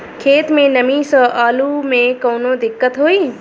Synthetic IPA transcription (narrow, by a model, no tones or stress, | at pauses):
kʰeːt̪mẽnɐmisə̃ʔaːlumẽkɐːnõd̪ɪkːət̪ɦoːiː